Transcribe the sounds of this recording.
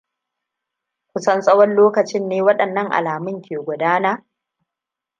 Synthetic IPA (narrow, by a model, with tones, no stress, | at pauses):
kʷʊ˨sɐ˦nsʼɐ˦wɔ˦nloː˦kɐ˨t͡ʃɪ˦nːeː˦wɐ˦ɗɐ˨nːɐ˦ŋʔa̰˨laː˨mɪ˦ŋkʲʰeː˨ɡʷʊ˨daː˦naː˦